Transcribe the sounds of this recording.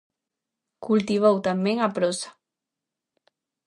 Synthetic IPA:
kult̪iβowt̪ameŋapɾɔsḁ

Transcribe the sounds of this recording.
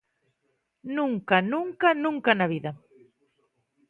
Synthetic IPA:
nũŋkanũŋkanũŋkanaβiðɐ

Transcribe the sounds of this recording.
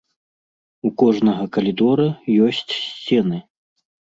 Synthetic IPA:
ukɔʐnɐɣɐkɐlʲid̪ɔɾɐjɔsʲt͡sʲsʲt͡sʲɛnɨ

